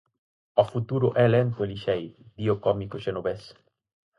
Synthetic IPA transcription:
ɔfut̪uɾʊʔɛlɛnt̪ʊeliʃejd̪iokɔmikoʃenoβes

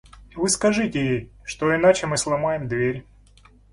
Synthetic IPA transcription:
vɨskɐʐɨtʲɪjejʂt̪oɪnat͡ɕɪmɨslˠɐmajɪmd̪vʲeɾʲ

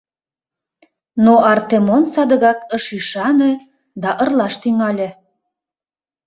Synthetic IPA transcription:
noʔɑrt̪emonsɑd̪ə̆ɣɑkəʃiʃɑne | d̪ɑʔərlɑʃt̪yŋɑlʲĕ

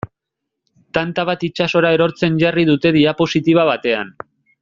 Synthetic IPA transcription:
t̪ant̪aβat̪it͡ʃaso̞ɾae̞ɾo̞ɾt͡se̞nʝariðut̪e̞ðiapo̞sit̪iβ̞aβ̞at̪e̞a̰n

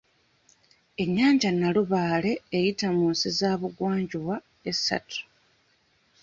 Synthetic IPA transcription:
e̞ɲːaːɲɟanːaluβaːle̞ːjitamuːnsizaːβuɡwaːɲɟuwa | esːa̰tu̥

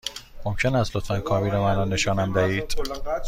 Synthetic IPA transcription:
momcʰe̞næzlot̪fænkʰɒːbiːɾɒmænɒːne̞ʃɒːnæmd̪æhiːd̪̥

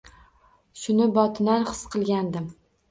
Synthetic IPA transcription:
ʃʊnɪbɒt̪ʰɪnaɾχɨsqʰɨlˠɡʲand̪ɪm

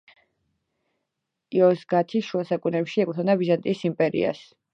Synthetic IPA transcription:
iɔsɡat̪ʰiʃuasakʼunɛpʃiɛkʼt̪ʰɔnabizant̪ʼisimpʼɛɾḭa̰s

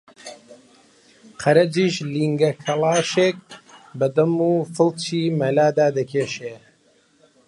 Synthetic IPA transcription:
qʰɐɾɐd͡ʒiːʃliːŋɡɐkʰɐlˠaːʃeːk̚bɐd̪ɐmuːfɨlt͡ʃiːmɐlaːd̪aːd̪ɐkʰeːʃeː

